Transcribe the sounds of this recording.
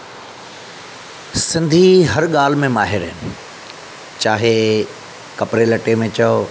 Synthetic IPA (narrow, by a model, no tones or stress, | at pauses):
sɪ̃nd̪ʱiɦɐɾɠaːl̤mẽmaːɦɪɾɦɪnɪ | t͡ɕaːɦe | kɐpɾelɐʈemẽt͡ɕɐo